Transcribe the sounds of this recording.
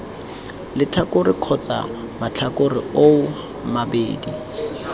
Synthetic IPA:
lɪt͡ɬʰakʊrɪq͡χʰɔt͡sa̰ | mat͡ɬʰakʊrɪoʊ | mabeːdi

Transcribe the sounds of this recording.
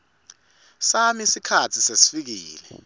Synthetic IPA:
samisikʰatʰisesi̥fik̬iːlɛ

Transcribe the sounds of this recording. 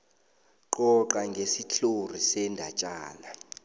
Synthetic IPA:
ǃɔǃaŋɡʱesiɬor̤isɛndʱat͡ʃʼaːla

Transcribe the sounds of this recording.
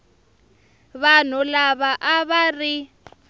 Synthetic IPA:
βan̤ulaβaʔaβari

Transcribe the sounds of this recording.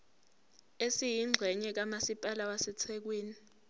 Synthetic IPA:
esijiŋ͡ǀʱɛɲɛk̬amasipʼalawasɛt͡sʰɛk̬weːni

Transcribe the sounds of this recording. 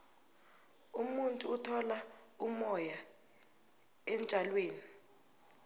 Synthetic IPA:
umuntʼuːtʰɔla | umɔja | ɛnt͡ʃʼalweːni

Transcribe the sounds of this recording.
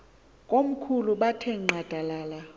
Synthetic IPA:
kʼom̩kʰuluɓatʰeŋŋ͡ǃad̥ʱalaːla

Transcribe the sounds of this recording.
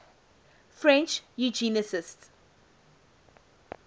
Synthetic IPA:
fɹɛ̃nt͡ʃjud͡ʒiːnəsɪsts

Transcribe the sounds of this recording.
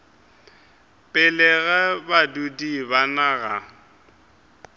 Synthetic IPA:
pʼɪlɛɣɛbadudibanaɣa

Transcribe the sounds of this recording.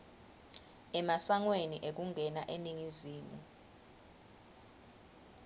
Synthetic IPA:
ɛmasaŋweniʔek̬uŋʱɛnaʔeniŋiziːmu

